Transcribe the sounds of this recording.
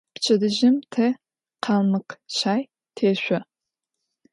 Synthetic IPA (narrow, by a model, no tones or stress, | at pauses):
pt͡ʃʰɐdɨʒɪmtʰɐ | qʰɑmɨqɕaːj | tʰeːɕʷɔ